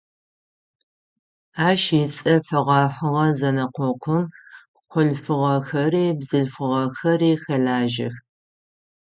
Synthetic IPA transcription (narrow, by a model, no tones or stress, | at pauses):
aːʃɪt͡sʼɐfɐʁɑħʷʊʁɐzɐnɐqʷɔqʷʰʊm | qʷʊɮfɨʁɐxɐriːbzɨɬfɨʁɐxɐriːxɐɮaːʒɪ̰x